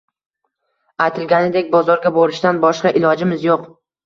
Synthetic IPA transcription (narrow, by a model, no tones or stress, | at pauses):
ajt̪ʰɪlɡʲanɪd̪e̞k̚ʲbɒzɒɾɡʲaboɾɪʃt̪anbɒʃqɑʔɪlˠɒd͡ʒɪmɪzjoq